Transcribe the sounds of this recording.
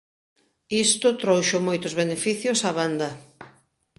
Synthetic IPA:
ist̪ʊt̪ɾowʃʊmojt̪ʊzβenefiθjʊsaβand̪ɐ

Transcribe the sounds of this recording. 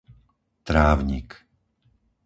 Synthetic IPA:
t̪ɾaːʊɲḭk

